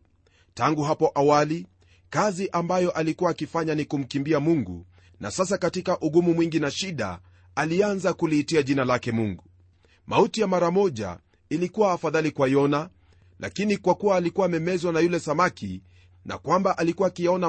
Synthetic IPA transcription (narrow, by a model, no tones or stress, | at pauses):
taŋɡuɦapɔʔawali | kaziʔambajɔʔalikuaːkifaɲanikum̩kimbiamuŋɡṵ | na̰sas̬akatikaʔuɠumumwiŋɡinaʃiɗa̰ | alianzakuliːtiaʄinalakɛmuŋɡu | mautijamaɾamɔʄa̰ | ilikuwaːfaðalikwajɔna | lʔa̰kinikwakuwaːlikuwaːmɛmɛzwanajulɛsamaki | na̰kwambaʔalikuwaːkijaɔna